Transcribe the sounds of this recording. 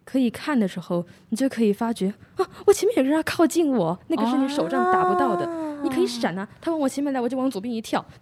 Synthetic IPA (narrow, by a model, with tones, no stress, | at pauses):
kʰɤ˧˥i˨˩kʰa˥˩nd̪ə˩ʂɻ̩˧˥xo˥˧ʊni˨˩t͡ɕjo˥˩ʊkʰɤ˧˥i˨˩fa˥t͡ɕɥɛ˧˥ɔ˥˩wɔ˨˩t͡ɕʰjɛ˧˥mɛ˥˩njkʰɑ˥˧ʊt͡ɕi˥˩nwɔ˨˩˦na˥˩ɡə˩ʂɻ̩˥˩ni˧˥ʂo˨˩ʊʈ͡ʂɑ˥˩ŋt̪a˨˧˥pu˧t̪ɑ˥˩ʊd̪ə˩ni˨˩kʰɤ˧˥i˧˥ʂa˨˩na˧˥t̪ʰa˥wŋwɔ˨˩ɛ˧˥mɛ˥˩nla˧˥wt͡ɕo˥˩ʊ˧˥ŋt͡su˨˩p̬ʲji˥˩ŋ˧˥t̪ʰjɑ˥˩ʊ